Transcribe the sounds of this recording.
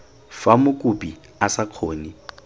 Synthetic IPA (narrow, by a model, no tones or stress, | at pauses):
famʊkʼupʼi | asaq͡χʰoːni